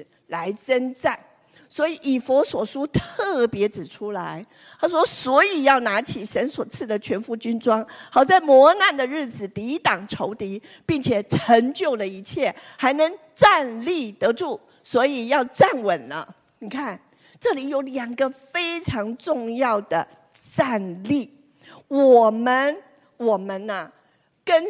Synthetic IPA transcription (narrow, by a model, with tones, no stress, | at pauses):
la˧˥ɪt͡sə˥nt͡sa˥˩n | swɔ˧˥i˨˩ʔi˨˩fɔ˧˥swɔ˨˩ʂu˥t̪ʰɤ˥˩pjɛ˧˥ʈ͡ʂɻ̩˨˩ʈ͡ʂʰu˥la˧˥ɪ | t̪ʰa˥ʂwɔ˥swɔ˧˥i˨˩jɑ˥˩ʊna˧˥t͡ɕʰi˨˩ʂə˧˥nswɔ˨˩t͡sʰɹ̩˥˩d̪ə˩t͡ɕʰɥɛ˧˥nfu˥˩t͡ɕy˥nʈ͡ʂwɑ˥ŋxɑ˨˩ʊt͡sa˥˩ɪmwɔ˧˥na˥˩nd̪ə˩ɻɻ̩˥˩t͡sɹ̩˨˩t̪i˧˥t̪ɑ˨˩ŋʈ͡ʂʰo˧˥ʊt̪i˧˥ | pi˥˩ŋt͡ɕʰjɛ˨˩ʈ͡ʂʰə˧˥ŋt͡ɕjo˥˩ʊlə˩i˧˥t͡ɕʰjɛ˥˩xa˧˥ɪnɤ˧˥ŋ | ʈ͡ʂa˥˧nli˥˩t̪ɤ˧˥ʈ͡ʂu˥˩ | swɔ˧˥i˨˩jɑ˥˧ʊt͡sa˥˩nwə˨˩nlə̰˦ | ni˨˩kʰa˥˩n | ʈ͡ʂɤ˥˩li˨˧˥jo˧˥ʊljɑ˨˩ŋɡə˦fe˥ɪʈ͡ʂʰɑ˧˥ŋʈ͡ʂʊ˥˧ŋjɑ˥˩ʊd̪̥ə˩ | t͡sa˥˧nli˥˩ | wɔ˨˩mə˧n | wɔ˨˩mə˧˦nə˧ | kə˥n